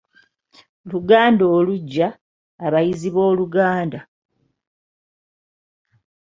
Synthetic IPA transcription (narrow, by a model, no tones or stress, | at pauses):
luɡaːndoːluɟːaː | βajiziβwo̞ːluɡaːnda